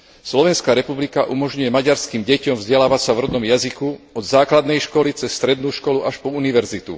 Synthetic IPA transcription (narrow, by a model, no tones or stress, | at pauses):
slɔʋɛnskaːɾɛpublikaʔumɔʒɲujɛmaɟaɾskiːmɟɛcɔmvzɟɛlaːʋacsavɾɔd̪nɔmjazikuɔd̪zaːklad̪nɛjʃkɔlit͡sɛsːt̪ɾɛd̪nuːʃkɔluʔaʃpɔuniʋɛɾzit̪ṵ